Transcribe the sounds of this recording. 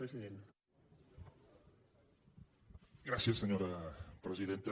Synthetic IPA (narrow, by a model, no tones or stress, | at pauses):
ɾeziðen | ɡɾasjesːeɲoɾapɾeziðent̪e